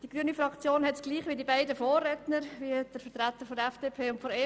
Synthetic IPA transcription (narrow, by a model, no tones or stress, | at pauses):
d̥iɡ̥ɾyənifɾɑkt͡sjoːnhɛtsɡ̥liːχʋidibæɪdəfoːrːɛtnəɾviəd̥əɾfətɾæt̪ːəɾfɔdəɛfd̥eːpʰeːʊntfɔɾe